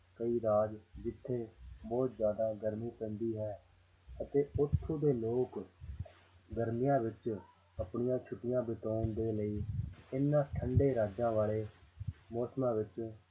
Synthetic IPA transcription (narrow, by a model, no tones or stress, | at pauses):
kəiːɾaːd͡ʒd͡ʒɪt̪ʰːeːbɔːt̪zjaːd̪aːɡəɾmiːpə̃nd̪iːɦɛː | ət̪eːʊt̪ʰːõːd̪eːloːk | ɡəɾmɪjãːʋɪt͡ʃ | əpɳɪjãːt͡ʃʰʊʈɪjãːbɪt̪oːnd̪eːləiːɪnːãːʈʰəɳɖeːɾaːd͡ʒãːʋaːleːmɔːsmãːʋɪt͡ʃ